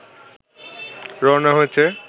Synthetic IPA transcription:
ɾɔnaɦojet͡ɕʰe

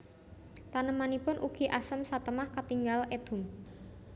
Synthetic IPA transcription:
t̪anəmanipʊnʔuɡ̥i̤ʔasəmsat̪əmahkət̪iŋɡalʔed̪̥ʊ̤m

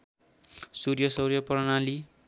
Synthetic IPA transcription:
surjʌsʌwrjʌpʌrnali

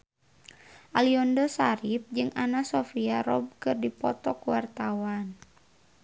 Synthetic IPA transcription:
ʔaliɔndɔsaɾip̚d͡ʒɨŋʔanasɔfiaɾɔb̚kɨrdipɔt̪ɔkuwart̪awan

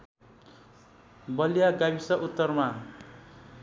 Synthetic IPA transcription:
bʌlijaɡabisʌʔut̪ːʌrma

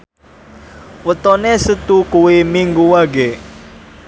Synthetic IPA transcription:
wət̪ɔnesət̪ukuwimiŋɡuwaɡe

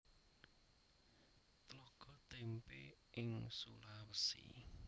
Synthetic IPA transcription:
t̪əlɔɡ̥ɔt̪empeʔɪŋsulawəsḭ

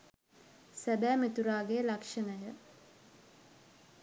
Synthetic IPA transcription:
sæbæːmet̪uɾaːɡelakʂɐnəjə

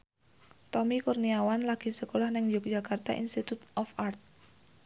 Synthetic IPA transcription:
t̪ɔmikurniawanlaɡ̥i̤səkolahnɪŋd͡ʒuk̚dd͡ʒ̥akart̪a̰ʔḭnst̪it̪ut̪ɔfart̪̚

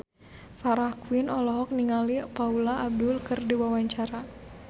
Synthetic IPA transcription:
faɾahkuwinɔlɔɦɔk̚niŋalipaulaːb̚dʊlkɨrdiwawaɲt͡ʃaɾa

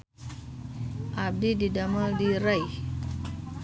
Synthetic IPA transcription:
ʔab̚dididamadiɾajh

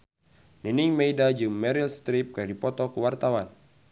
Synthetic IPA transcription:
niniŋmɛjdad͡ʒɨŋmɛɾilst̪ɾip̚kadipɔt̪ɔkuwart̪awan

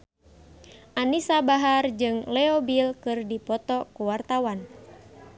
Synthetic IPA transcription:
ʔanisabaɦard͡ʒɨŋlɛɔbilkɨrdipɔt̪ɔkuwart̪awan

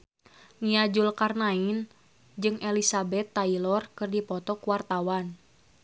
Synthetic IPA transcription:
niad͡ʒulkarnain | d͡ʒɨŋelisabɛt̪ːailɔrkɨrdipɔt̪ɔkuwart̪awan

